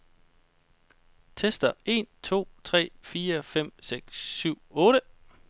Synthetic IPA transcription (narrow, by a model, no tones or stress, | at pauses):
t͡sʰesd̥ɐe̝̰nt͡sʰo̝̰ːt͡sʰʁɛ̰ːfiːɐfem̰seɡ̥sːyʊ̰ɔ̽ːɾə